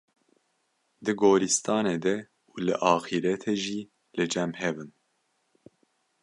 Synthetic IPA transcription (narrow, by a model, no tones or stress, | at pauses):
d̪ɨɡoːɾist̪ɑːneːd̪ɛ | ulɨ̰ʔɑːxiɾɛt̪ʰeːʒiː | lɨd͡ʒɛmhɛvɨn